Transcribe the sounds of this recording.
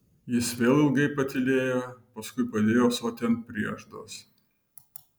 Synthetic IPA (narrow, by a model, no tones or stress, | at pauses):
jɪsʋʲeːlˠɪlˠɡɐɪpɐt̪ʲɪlʲeːjoːpɐskʊɪpɐd̪ʲeːjoːsoːt̪ʲɛn̚pʲɾʲiɛʒd̪oːs